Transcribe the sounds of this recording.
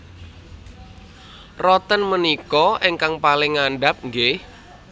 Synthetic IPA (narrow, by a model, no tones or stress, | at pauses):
rɔt̪ənmənikɔʔeŋkaŋpalɪŋːanɖap̚ŋɡeh